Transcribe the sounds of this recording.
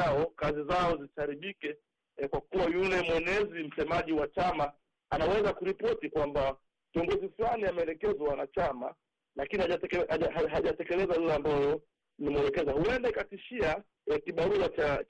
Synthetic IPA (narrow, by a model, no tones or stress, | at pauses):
aɔkazizaɔzitaɾiɓikɛ | kwakuwajulɛmwɛnɛzim̩sɛmaʄiwat͡ʃama | anawɛzakuɾipɔtikwamba | kiɔŋɡɔziflaniamɛɛlɛkɛzwawanat͡ʃama | lakinihaaɛaaɦaʄatɛkɛlɛzalilɛambajɔ | nimɛɛlɛkɛzahuɛndaikatiʃia | ɛkiɓaɾuat͡ʃa